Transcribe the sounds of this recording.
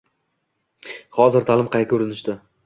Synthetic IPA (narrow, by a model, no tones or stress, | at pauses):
χɒzɪɾt̪ʰalˠɪmqʰɑjkʲʰɵɾɪnɪʃd̪ɪ